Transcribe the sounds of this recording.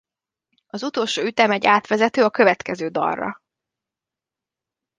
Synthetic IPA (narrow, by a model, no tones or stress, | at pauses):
ɒzut̪o̞ːlʃoːyt̪ɛmɛɟːaːt̪ʋɛzɛt̪øːɒkøvɛt̪kɛzøːd̪ɒ̰rːɒ̰